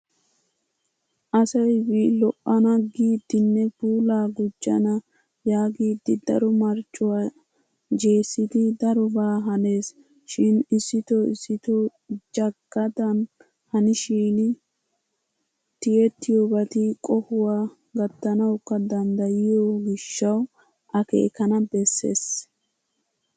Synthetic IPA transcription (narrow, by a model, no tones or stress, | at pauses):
ʔɐsɐjbilɔʔːɐnɐɡiːd̪ːɪnːɛbuːlaːɡʊd͡ʒːɐ̰nɐ | jaːɡiːd̪ːɪd̪ɐɾɔmɐɾt͡ʃʼʊwa | d͡ʒe̞ːsːɪd̪ɪd̪ɐɾɔbaːɦɐne̞ːs | ʃɪnɪsːɪt̪oɪsːɪt̪o | d͡ʒɐkːɐd̪ɐn | hɐnɪʃiːnɪ | t̪ɪjɛt̪ːɪjoːbɐt̪ɪkʼɔhʊwaː | ɡɐt̪ːɐnɐwkːɐd̪ɐnd̪ɐjɪjoːɡɪʃːɐw | ʔɐkḛːkɐnɐbɛsːe̞̰ːs